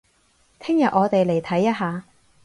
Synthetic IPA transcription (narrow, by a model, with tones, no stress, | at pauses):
t̪ʰɪ˥ŋjɐ˨t̚ʔɔː˨˧t̪e˨jle˨˩jt̪ʰɐ˨˥jːɐ˥t̚ɦaː˨˧